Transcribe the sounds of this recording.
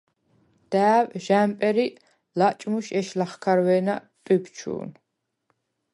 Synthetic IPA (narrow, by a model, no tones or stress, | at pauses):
d̪̥æːvʒampʼɛɾi | lat͡ʃʼmuʃɛʃlaχkʰaɾwɛːnat̪ʼibt͡ʃʰṵːn